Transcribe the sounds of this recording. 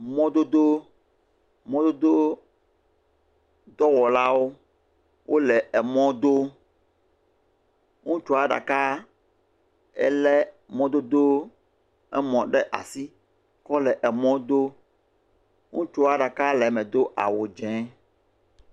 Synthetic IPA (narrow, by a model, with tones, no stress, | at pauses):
mɔ̃˦d̪o˦d̪o˦ | mɔ̃˦d̪o˦d̪o˦ | d̪ɔ˦wɔ˨la˦wo˦ | wʔo˦lɛ˨ʔɛ˨mɔ̃˦d̪o˦ | ŋũ˦t͡ʃo˦a˨ɖa̰˨ka˦ | ɛ̰˦lɛ˦ | mɔ̃˦d̪o˦d̪o˦ | ɛ˦mɔ̃˨ɖɛ˦ʔa̰˨si˦ | kɔ˦lɛ˨ʔɛ˨mɔ̃˦d̪o˦ | ŋũ˦t͡ʃo˦a˨ɖa˨ka˦lɛ˨mɛ̃˨d̪o˦ʔa̰˨wo˨d͡ʒɛ̃˨˦